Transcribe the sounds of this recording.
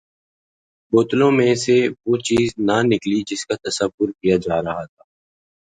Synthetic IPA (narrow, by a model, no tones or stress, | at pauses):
boːt̪lõmẽseʋoːt͡ʃiːznanɪklid͡ʒɪskat̪ɐsəʋʊɾkijad͡ʒaːɾɐɦat̪ʰaː